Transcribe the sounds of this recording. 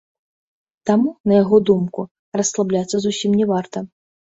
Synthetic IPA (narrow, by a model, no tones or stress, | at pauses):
t̪amunɐjaɣɔd̪umku | rɐsːlˠablʲat̪sːɐzusʲimnʲɛvart̪ɐ